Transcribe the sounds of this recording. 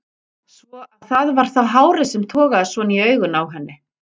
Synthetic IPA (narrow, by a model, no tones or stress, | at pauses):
svɔaðθaðvaɾ̥θawɦaːwɾɪsɛmt̪ʰɔːɣaðasvɔniœːɥɣʏnawɦɛnːɪ